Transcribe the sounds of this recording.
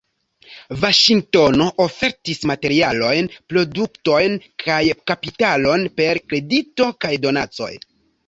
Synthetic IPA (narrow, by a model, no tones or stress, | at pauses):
vaʃiŋɡ̚to̞no̞ʔofe̞ɾtismate̞ɾialo̞jnpɾo̞dukto̞jnkʰajkapitalo̞npe̞ɾkɾe̞dito̞kajdo̞na̰t͡so̞̰j